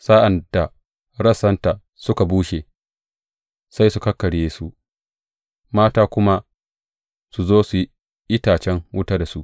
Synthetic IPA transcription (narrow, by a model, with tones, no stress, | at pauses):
sa˦ʔa˨nda˨ | ɽɐ˦sɐ˦nta˨ | sʊ˦ka˨buː˦ʃe˨ | sa˦jsu˨kɐ˦kːɐ˨ɽjeː˦su˦ʔ | maː˦taː˦kʷʊ˦ma˦ | su˨zoː˦su˨˦ | ʔɪ˦taː˨t͡ʃɛ˦ŋwʊ˦taː˦da˨su˦ʔ